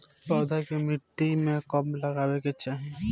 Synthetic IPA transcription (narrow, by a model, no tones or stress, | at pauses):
pɔd̪ʱakemiʈːimekɔmlaɡabeket͡ɕʰe